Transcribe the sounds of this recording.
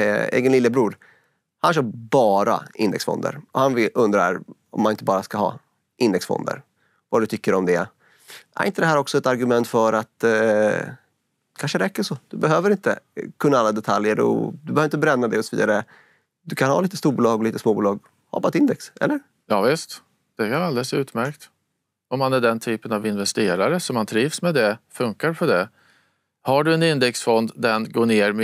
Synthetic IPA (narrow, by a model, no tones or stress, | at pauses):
ḛːɡənlɪlːəbɾuːɾ | hanɕœːbɑːɾa̰ɪnd̪ɛ̰ksfɔ̰nd̪ə̰ɾɔhanvɪlɵnd̪ɾaɾ | ɔ̰mːanɪnt̪əbɑːɾaskaɦɑ̰ː | ʔɪnd̪ɛksfɔ̰nd̪ə̰ɾ | vad̪ɵt̪ʰʏkːəɾɔmd̪ɛ | æ̰ɾɪ̰nt̪əd̪ɛhæːɾɔksɔɛt̪aɾɡɵmɛnt̪fœɾat̪ | kʰanʂəɾɛkːəʂoːd̪̥ɵbɛɦøːvəɾɪnt̪ə̰kʰɵnːaalːad̪ɛt̪ʰaljəɾɔ̰d̪ɵbɛhœːɾɪnt̪əbɾɛnːad̪ɛɔsɔvḭːd̪aɾə | d̪ɵkʰanha̰ːliːt̪əst̪uːɾbuːlɑːɡɔliːt̪əsmoːbuːlɑːɡ | ha̰baːt̪ɪnd̪ɛksʔɛ̰lːəɾ | jɑːvɪst̪ | d̪̥ɛjɾald̪ɛlsʉ̟ːt̪mæɾkt̪ | ɔmːanæɖɛnt̪ʰyːpənavɪnvɛst̪eːɾaɾəsɔmhant̪ʰɾiːvsmɛd̪ɛfɵŋkaɾpʰɔd̪ɛ | haɖɵɛnɪnd̪ɛksfɔnd̪d̪ɛnɡoːɳeːɾm